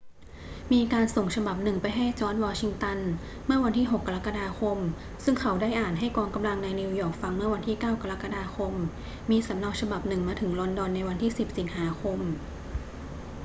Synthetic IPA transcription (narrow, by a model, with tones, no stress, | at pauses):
miː˧kaː˧nso˨˩ŋt͡ɕʰa˧ba˨˩p̚nɯ˨˩ŋpa˧jɦa˥˩jt͡ɕɔː˧˥nwɔː˧t͡ɕʰi˧ŋt̪a˧n | mɯ˥˩ɐwa˧ntʰiː˥˩ɦo˨˩kːa˧ɾa˦˥kːa˧daː˧xʰo˧m | sɯ˥˩ŋkʰa˨˦wdaː˥˩jʔaː˨˩nɦa˥˩jkɔː˧ŋka˧mla˧ŋna˧jni˧wjɔː˨˩k̚fa˧ŋmɯ˥˩ɐwa˧nt̪ʰiː˥˩kaː˥˩wka˧ɾa˦˥kːa˧daː˧xʰo˧mː | iː˧sa˩˦mna˧w̚t͡ɕʰa˧ba˨˩p̚nɯ˨˩ŋmaː˧t̪ʰɯ˩˦ŋlɔ˧ndɔ˧nːa˧jwa˧nt̪ʰiː˥˩si˨˩p̚si˨˦ŋhaː˩˦xʰo˧m